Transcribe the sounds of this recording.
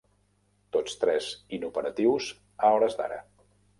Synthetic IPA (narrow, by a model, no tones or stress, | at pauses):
t̪ot͡st̪ɾɛzinupəɾət̪iwz | əɔɾəzd̪a̰ɾə̰